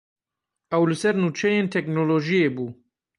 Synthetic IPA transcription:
ɛwlɨsɛɾnuːt͡ʃʰɛjeːnt̪ʰɛk̚noːloːʒijeːbuː

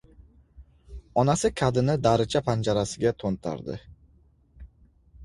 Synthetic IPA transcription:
ɒnasɪkʲʰad̪ɪnɪd̪aɾɪt͡ʃʰapʰand͡ʒaɾasɪɡʲat̪ʰont̪ʰa̰ɾd̪ɪ̰

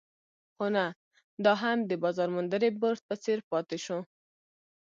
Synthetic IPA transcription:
xona | d̪ɑɦamd̪əbɑzɑɾmʊnd̪əɾebəɾt̪̚pət͡seɾpɑt̪eʃo

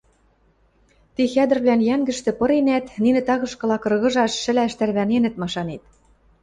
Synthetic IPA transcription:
t̪ixæd̪ɘ̆rβlænjæŋɡɘ̆ʃt̪ɘ̆pɤ̆ɾenæt̪ninɘ̆t̪ɑɣɤ̆ʃkɤ̆lɑkɤ̆rɣɤ̆ʒɑʃːɘ̆læʃt̪ærβænenɘ̆t̪mɑʃɑnet̪̚

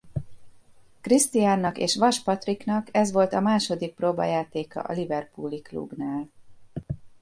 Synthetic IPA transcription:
krist̪ijaːnːɒkḛːʃʋɒʃpɒt̪riknɒkɛzʋo̞lt̪ɒmaːʃo̞d̪ik̚proːbɒ̰jaːt̪eːkɒ̰ʔɒ̰livɛrpuːliklṵbnaːl

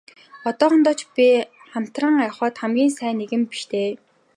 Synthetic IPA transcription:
ɔt̪ɔːχɞ̆nt̪ɔːt͡ɕpʲi | χam̥t̪rə̆ːŋaχɔːt̪χæmɡʲiːnsæːneɣɘ̆mpi̥ʃt̪ʰeː

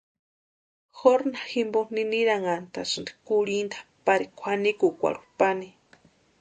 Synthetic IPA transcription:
xoɾnaximboniniɾaŋant̪asɨnd̪i̥kuɽind̪ḁpaɾikʷʰanikukʷa̰ɾu̥pani

